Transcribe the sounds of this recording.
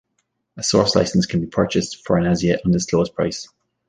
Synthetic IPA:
əsɔˑɹsla̰ɪsə̃nskʰə̃nbipʰɜ˞t͡ʃɪstfəɹə̃naziəʔə̃ndəstʰɔːz̥pʰɹ̥a̰ɪs

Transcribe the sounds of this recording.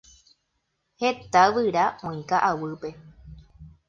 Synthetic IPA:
he̞t̪aʋɨɾaʔõĩkaʔawɨpe̞

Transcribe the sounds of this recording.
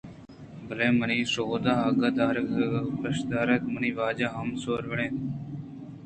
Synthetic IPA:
bəlẽːməniːsoːd̪aːaːɡaːd̪aːɾəkpəʃd̪aːɾəkməniːʋaːd͡ʒaːɦamsoːɾʋəɽẽː

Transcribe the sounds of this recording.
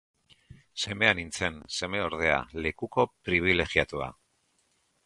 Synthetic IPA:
se̞me̞anint͡se̞nse̞me̞o̞ɾðe̞a̰le̞kuko̞pɾiβ̞ile̞ɣiat̪ua̰

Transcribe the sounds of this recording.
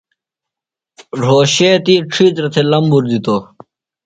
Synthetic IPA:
ɾoːɕeːt̪iːʈ͡ʂʰiːt͡sɾɐt̪ʰeːlɐmbuɾd̪it̪oː

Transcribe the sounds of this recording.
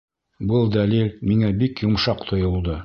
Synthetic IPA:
bɤlˠd̪ælilmiŋæbikjŏmʃɑqt̪ʰŏjŏlˠd̪ɤ

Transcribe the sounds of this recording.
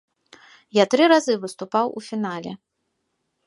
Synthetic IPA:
jat̪ɾɨɾazɨvɨst̪upawṵfʲinalʲɛ̰

